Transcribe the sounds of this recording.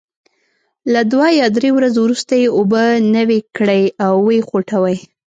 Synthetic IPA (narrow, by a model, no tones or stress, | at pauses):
lad̪wajɑd̪ɾewɾazowɾust̪ajeobənəwekɽəjawːexoʈʰawəj